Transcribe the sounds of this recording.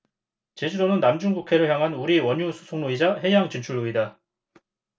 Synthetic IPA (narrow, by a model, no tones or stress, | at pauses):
t͡ɕe̞d͡ʑuɾonɯnːamd͡ʑuŋɡukʰe̞ɾɯɭçjaŋɦanuɾiwʌɲusʰu̥sʰoŋnoid͡ʑaɦe̞jaŋt͡ɕint͡ɕʰuɭuida